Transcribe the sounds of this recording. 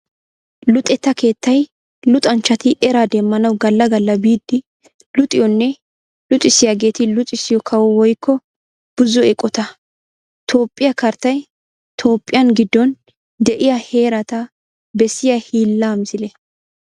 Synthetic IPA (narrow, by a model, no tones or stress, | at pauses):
lʊt̪ʼɛt̪ːɐke̞ːt̪ːɐj | lʊt̪ʼɐnt͡ʃːɐt̪ɪʔɛɾad̪ɛmːɐnɐwɡɐlːɐɡɐlːɐbiːd̪ːɪ | lʊt̪ʼɪjɔnːɛ | lʊt̪ʼɪsɪjaːɡe̞ːt̪ɪlʊt̪ʼɪsɪjɔkʰɐwɔwɔjkʰːɔ | b̥ʊzɔɛkʼːɔt̪ɐ | t̪ʰo̞ːpʼːɪjɐkɐɾt̪ɐj | t̪ʰo̞ːpʼːɪjɐnɡɪd̪ːɔn | d̪ɛʔɪjɐhe̞ːɾɐt̪ɐ | bɛsːɪjɐhiːlːaːmzɪlɛ